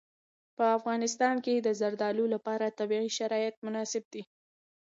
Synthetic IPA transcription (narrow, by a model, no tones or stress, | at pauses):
pəafɣɑnɪst̪ɑnked̪əzaɾd̪ɑlulapɑɾat̪abiɣiʃaɾɑjɪt̪̚mʊnɑsɪb̚d̪i